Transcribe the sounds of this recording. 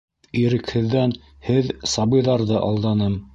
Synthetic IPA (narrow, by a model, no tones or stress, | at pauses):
iɾɘ̆khɘ̆ðːæn | hɘðsɑβɤ̆jðɑɾðɤʔɑ̰lˠd̪ɑnɤm